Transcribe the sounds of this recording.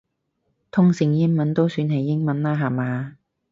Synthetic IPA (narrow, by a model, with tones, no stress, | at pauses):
t̪ʰʊ˥ŋsɪ˨˧ŋjɪ˥ŋmɐ˨˥nt̪o˥wsyː˧nɦɐ˨jːɪ˥ŋmɐ˨˥nlaː˥ɦaː˨˩maː˨˧